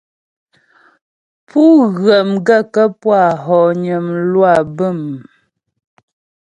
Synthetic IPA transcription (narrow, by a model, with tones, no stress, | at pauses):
pu˦ɣə˨mɡə˦kə˦pwa˦˨ɦɔ˨ɲə˨mlwa˦˨bə˦˨m